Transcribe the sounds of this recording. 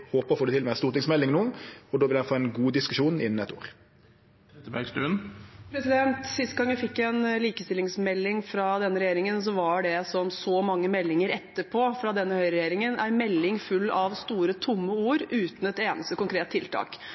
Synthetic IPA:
hoːpəɾfoːd̪ʉt̪ɪlmɛst̪uːt̪ɪŋsmɛlːɪŋnuːɔd̪oːʋɪlɛfoːɛnɡuːd̪ɪskʉʂuːnɪ̰nːn̩ɛt̪ʰo̰ːɾʰ | et̪əbæ̰ɡst̪ʉnpʰɾɛsɪd̪ɛnt̪sɪst̪̚ɡɑŋjæɪfɪkːɛnliːkəst̪ɪlɪŋsmɛlːɪŋfɾɑd̪ɛnːəɾɛjeːɾɪŋəns̬ɔʋɑɖɛsɔmsɔmɑŋːəmɛlːɪŋəɾɛt̪ːəpʰoːfɾɑd̪ɛnːəhœʏɾɛjeːɾɪŋənæɾmɛlːɪŋfʉlːɑʋst̪uːɾət̪ʰʊmːəuːɾʉːt̪n̩ɛt̪eːnʔəst̪əkʊŋkʰɾeːt̪t̪ʰːɪlt̪ʰɑ̰ːk

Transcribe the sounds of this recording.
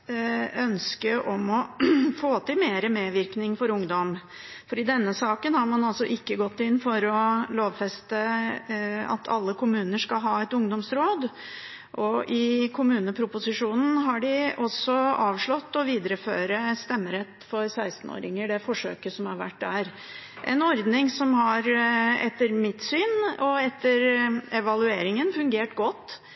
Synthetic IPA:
œnskəʔɔmɔfoːt̪ɪlmeːɾəmeːʋɪɾknɪŋfɔɾʊŋd̪ɔm | fɔɖiːd̪ɛnːəsɑːkənhɑɾmɑnɑlsɔʔɪkːəɡɔt̪ːɪnːfɔɾɔloːʋfɛst̪ə | ɑ̰t̪ʰɑ̰lːəkʊmʉːnəʂkɑlɦɑːɛt̪ʊŋd̪ɔmsɾoːd̪ | ʔɔʔɪkʰʊmʉːnəpʰɾʊpʊsɪʂuːnn̩ɦɑɖɪʔɔsɔɑːʋʂɭɔt̪ːɔʋiːd̪əɾəføːɾəst̪ɛmːəɾɛt̪ːfɔɾsæɪst̪n̩o̰ːɾɪ̰ŋəɖɛfɔʂø̰ːkəsɔmɑɾʋæ̰ʈ̚ːd̪æɾ | ʔɛ̰nɔɾd̪nɪŋsɔmhɑɾɛt̪ːəɾmɪt̪syːnɔɛt̪ːəɾɛʋɑlʉeːɾɪŋənfʉŋɡeːʈɡɔt̪ː

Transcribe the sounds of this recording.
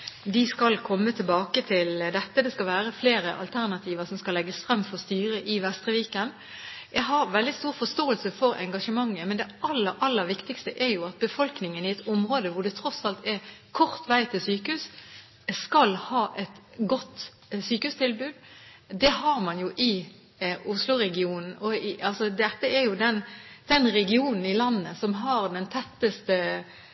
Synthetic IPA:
d̪ɪskɑlkʰɔmːət̪ʰɪlbɑːkət̪ʰɪld̪ɛt̪ːəd̪ɛskɑlʋæːɾəfleːɾəʔɑ̰lt̪ʰæʁnɑt̪ʰiːʋəsɔmskɑlɛɡːəsfɾɑmːfɔʁst̪yːɾəʔɪʋɛst̪ɾəʋiːkən | jæɡɦɑɾʋɛld̪ɪst̪uːɾfɔst̪oːəlsəfɔɾɛ̰ŋɡɑʂəmɑŋːəmɛnd̪ɛɑlːəɾʔɑlːəɾʋɪkt̪ɪkst̪əʔɛɾjʊɑt̪̚bəfɔlknɪŋənɪɛt̪ɔmʁoːd̪əʋʊɖ̪ɛt̪ʰɾɔsɑlt̪ɛkʰɔɾt̪ʋæɪt̪ʰɪlsyːkəhʉːs | skɑlhɑːʔɛt̪ | ɡɔt̪ː | syːkəʉːst̪ʰɪlbʉːd̪ | d̪ɛɦɑɾmɑnjʊʔɪ | ʊslʊɾɛɡɪuːnn̩ɔɪɑlsɔd̪ɛt̪ːəɛɾjʊd̪ɛnd̪̥ɛnɾɛɡɪuːnn̩ɪlɑnːəsɔmɦɑɾd̪ɛnt̪ʰɛt̪ːəst̪ə

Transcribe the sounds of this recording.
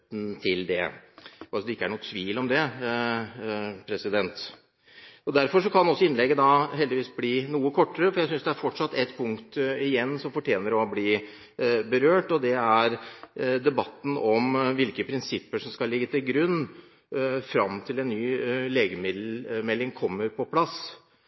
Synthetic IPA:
n̩t̪ʰɪld̪ɛ̰ɑsɔd̪ɛɪkːəæɳuːt̪ʰʋiːlɔmd̪ɛ | pʰɾɛsɪd̪ɛnt̪ | ɔd̪æɾfɔʂɔkʰɑnɔsːɔɪnlɛɡːəd̪ɑɦɛld̪ɪʋiːsbliːnuːəkʰɔʈːəɾəfɔɾjæɪsʏnsd̪ɛæɾfɔʈʂɑt̪ːɛt̪ːpʰʊŋkt̪ɪjɛnːsɔmfɔʈʰjeːnəɾɔbliː | bəɾøːʈɔd̪ɛæɾd̪ɛbɑt̪ːn̩ɔmʋɪlkəpʰɾɪnsɪpːəʂɔmskɑlːɪɡːət̪ʰɪlɡɾʉnː | fɾɑmt̪ʰɪlɛnːyːleːɡəmɪd̪mɛlːɪŋkʰɔmːəɾpʰɔpʰlɑs

